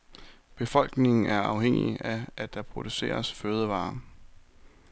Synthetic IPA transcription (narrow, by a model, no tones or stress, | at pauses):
b̥e̝fɒ̽l̰ɡ̥ne̝ŋn̩æɐɑ̈ʊɦeŋ̰ḭæʔæd̥ɑ̈pʰʁo̝d̥use̝̰ːɐsføːð̞ˠəʋɑ̰̈ː